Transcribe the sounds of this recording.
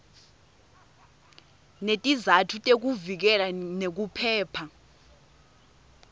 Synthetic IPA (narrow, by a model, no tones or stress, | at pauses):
netʼizatʰutʼek̬uvik̬ɛlanek̬upʰɛːpʰa